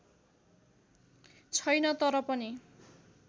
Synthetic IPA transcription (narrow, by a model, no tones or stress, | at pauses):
t͡sʰʌjnʌt̪ʌɾʌpʌni